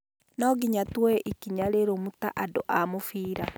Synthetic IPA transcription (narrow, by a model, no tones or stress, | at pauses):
naɡiɲatwɛʔikiɲaɾeɾomuta̰ʔadoʔamofiːɾa